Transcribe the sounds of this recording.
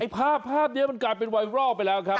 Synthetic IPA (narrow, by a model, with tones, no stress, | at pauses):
ʔa˥˩jpʰaː˥˩pʰːaː˥˩p̚ni˦˥˩ma˧nklaː˨˩jpe˧nwa˧jɾɔː˥˩k̚pa˧jlɛː˦˥wkʰɾa˦˥